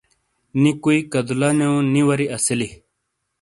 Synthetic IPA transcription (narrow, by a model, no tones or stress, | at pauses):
nĩkuikɐd̪ulaneũnĩwɐɾiʔɐsili